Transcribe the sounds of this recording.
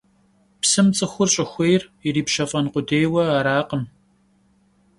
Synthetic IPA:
psɨmt͡sʼɨxʷʊrɕʼɪxʷejririːpʃɐfʼɐnqʷʊdeːjwɐaːɾaːqəm

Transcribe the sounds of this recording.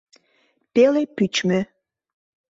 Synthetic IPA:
pelepyt͡ɕme

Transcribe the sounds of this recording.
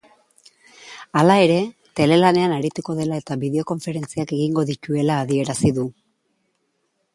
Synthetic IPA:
alae̞ɾe̞ | t̪e̞le̞lane̞anaɾit̪uko̞ð̞e̞lae̞t̪aβiðe̞o̞ko̞ɱfe̞ɾe̞nt͡siake̞ɣiŋɡo̞ðit̪ue̞laːðie̞ɾasiðu

